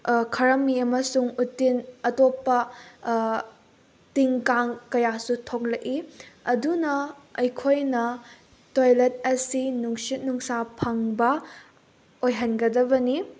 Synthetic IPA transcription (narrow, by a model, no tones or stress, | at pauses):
kʰɐɾɐmːiɐmɐsuŋutːinɐtopːɐ | tiŋkaŋkɐjasutʰok̚lɐʔiɐdunɐɐjkʰojnɐ | tojlet̚ɐsinuŋsit̚nuŋsapʰɐŋbɐ | ojɦɐnɡɐdɐbɐni